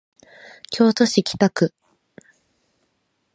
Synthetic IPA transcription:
kʲʰo̞ːt̪o̞ɕikʲi̥t̪akɯ̟

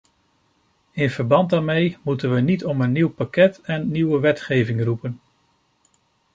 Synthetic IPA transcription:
ɪnv̥əɹbɑnd̚daːɹmejmutənʋənitɔmənːiwpakɛtɛnːiwəʋɛtχejvɪŋrupən

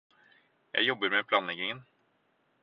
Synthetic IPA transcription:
jæ̰ɪjɔbːəɾmɛpʰlɑːnlɛɡɪŋən

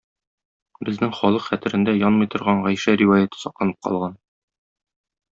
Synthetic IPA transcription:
bɘ̆znɘŋχɒlˠɤqχæt̪ɘ̆ɾɘ̆nd̪æjɒnmɤ̆jt̪ŏɾʁɑɴʁɒjʃæɾivajat̪ɤ̥sɒqlˠɑnɤ̥p̚qɒ̰lˠʁɑn

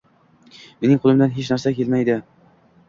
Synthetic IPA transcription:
menɪŋqʰolˠɪmd̪anɦet͡ʃnæɾsakʲʰelmajd̪ɪ

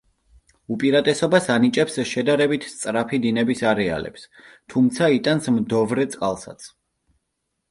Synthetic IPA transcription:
upʼiɾat̪ʼɛsɔbasanit͡ʃʼɛpsʃɛd̪aɾɛbit̪ʰst̪sʼɾapʰid̪inɛbisaɾɛa̰lɛ̰ps | t̪ʰumt̪sʰait̪ʼansmd̪ɔvɾɛt̪sʼqʼalˠsa̰t̪sʰ

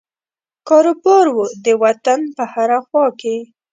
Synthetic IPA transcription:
kɑɾobɑɾwud̪əwat̪anpəhaɾaxwɑke

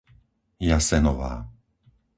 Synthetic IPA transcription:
jasɛnɔʋa̰ː

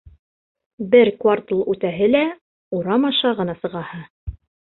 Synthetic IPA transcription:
bɘɾkvart̪lˠʉt̪æɦɘlæ | uɾɑmɑʃɑʁɤ̆nɑsɤ̆ʁɑhɤ

